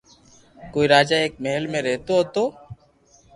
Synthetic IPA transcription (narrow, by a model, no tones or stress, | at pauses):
kojɾad͡ʑaek̚meɦelmeɾet̪oɦɔt̪o